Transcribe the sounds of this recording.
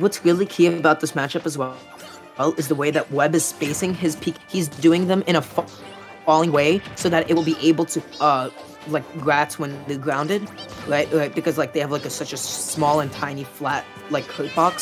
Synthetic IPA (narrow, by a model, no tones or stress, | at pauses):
wʌtsɹɪlˠikʰiɨbaʊt̪̚ðɪsmæt͡ʃɨpəzwɛ | ɛlˠɨzðəweɪðɨʔ̚wɛbɨz̥speɪsɪ̃ŋɪz̥pʰikhizdʉɪ̃ŋðɨ̃mɨ̃ɾ̃əf | fɔlˠɪ̃ŋweɪsoʊðɨɾʔɪt̚wl̩ˠbiʔeɪbl̩ˠtʰɨʌ | laɪk̚ɡ̥ɹætwɨ̃nðɨɡɹãʊ̃ndɨd̚ɹaɪt̚ɹaɪt̚b̥ɨkʌzlaɪk̚ðeɪɨv̥laɪkɨsʌt͡ʃɨssmɔlˠə̃ntʰãɪ̃niflæt̚ | laɪkʰːoʊt̚b̥ɑks